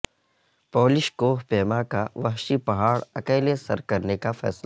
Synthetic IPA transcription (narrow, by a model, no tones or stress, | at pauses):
poːlɪʃkoːpeːmakaʋɐɦʃipɐɦaːɽɐkeːlesɐɾkɐɾnekafɛ̰ːsla